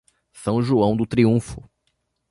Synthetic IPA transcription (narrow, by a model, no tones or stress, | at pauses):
sɐ̃w̃ʒuɐ̃w̃d̪ʊt̪ɾiũfʊ